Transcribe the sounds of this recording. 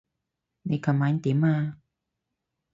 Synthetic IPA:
ni˧˨kʰa˨maː˧˦n˦t̪i˨˦maː˧

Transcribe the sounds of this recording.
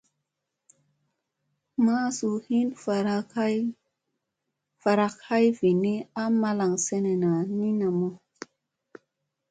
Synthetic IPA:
ma˦su˨hi˦nfa˦ | fa˨ɾa˦kha˦jvi˨ni˦a˦ma˦la˨ŋse˦ne˨na˨ni˦na˨mo˦

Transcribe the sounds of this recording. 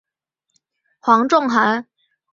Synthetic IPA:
xwɑ˧˥ŋʈ͡ʂʊ˥˩ŋxa˧˥n

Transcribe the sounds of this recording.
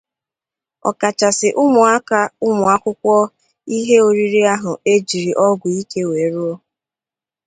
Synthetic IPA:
ɔ̰˨ka˨t͡ʃa˨sɪ˨ʔʊ˦mʊ˨a˦ka˦ʊ˦mʊ˨a˦kʷʊ˦kʷɔ˦ | i˦ɦe˦o˦ɾi˦ɾi˦a˦ɦʊ˨e˦d͡ʒi˨ɾi˨ʔɔ˦ɡʷʊ˨i˦ke˦we˨ɾu˦o˦

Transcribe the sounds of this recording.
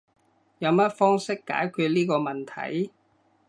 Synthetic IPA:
jɐ˨˧wmɐ˥t̚fɔː˥ŋsɪ˥kːa̰ː˨˥jkʰy˧t̚liː˥kɔː˧mɐ˨˩nt̪ʰɐ̰˨˥j

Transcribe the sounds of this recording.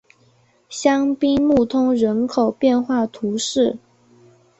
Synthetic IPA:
ɕjɑ˥ŋpi˥nmu˥˩t̪ʰʊ˥ŋɻə˧˥nkʰo˨˩ʊpjɛ˥˧nxwa˥˩t̪ʰu˧˥ʂɻ̩˥˩

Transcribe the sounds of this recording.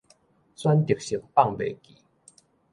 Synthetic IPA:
swa˦nt̪i˨˩˨k̚ɕi˨˩k̚pa˥˨ŋbe˨˩ki˨˦

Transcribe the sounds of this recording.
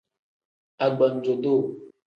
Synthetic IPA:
a˨ɡ͡bɔ˨n˨d͡ʒo˨do˦˨

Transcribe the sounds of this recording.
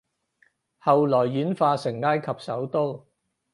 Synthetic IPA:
hɐ˨wlɔː˨˩jːyː˨˥nfaː˧sɪ˨˩ŋlaː˥jkʰɐ˨p̚sɐ˨˥wt̪o˥w

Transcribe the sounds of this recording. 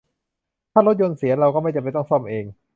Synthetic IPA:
t̪ʰaː˥˩ɾo˦˥t̪̚jo˧nsi˩˦ɐɾa˧wkɔː˥˩ma˥˩t͡ɕa˨˩pa˧jt̪ɔ˥˩ŋsɔ˥˩mʔeː˧ŋ

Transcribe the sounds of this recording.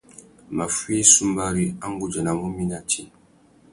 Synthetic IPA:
ma˨fi˦su˦mba˦ɾi˦a˦ŋɡu˦d͡ʒɛ˨na˨mu˦mi˦na˦tʰi˦

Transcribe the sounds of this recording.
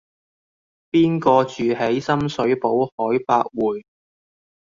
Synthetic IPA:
piː˥nkɔː˧t͡ʃyː˨ɦe˨˥jsɐ˥msɵ˨˥ɥpo˨˥whɔː˨˥jpaː˧k̚wuː˨j

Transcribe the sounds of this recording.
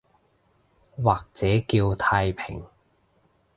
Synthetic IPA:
waː˨k̚t͡sɛː˨˥kiː˧wt̪ʰaː˧jpʰɪ̰˨˩ŋ

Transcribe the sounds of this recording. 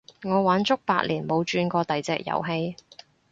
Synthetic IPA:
ŋɔː˨˧waː˨˥nt͡sʊ˥k̚paː˧t̚liː˨˩nmo˨˧wt͡ʃyː˧nkɔː˧t̪ɐ˨jt͡sɛː˧k̚jɐ̰˨˩wɦe˧j

